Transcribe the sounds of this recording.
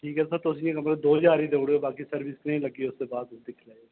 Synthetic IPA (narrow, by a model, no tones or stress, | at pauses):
ʈʰiːkɦɛsət̪ʊs̬ĩẽkəmɾed̪oːd͡ʒaːɾiːd̪eʊɽoːbaːkisəɾbɪsnəĩːləɡiʊsːebaːd̪d̪ɪkʰlaːi